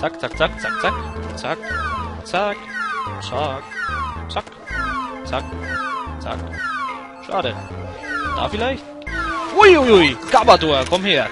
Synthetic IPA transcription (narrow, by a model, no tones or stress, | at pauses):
t͡sak̚t͡sak̚t͡sakt͡sak̚t͡sakt͡sak̚t͡sakt͡sakt͡sak | t͡sakt͡sa̰k | ʃa̰ːdə | d̥a̰ːfilaɪçt | ujujujkabatoɐkʰɔmheːɐ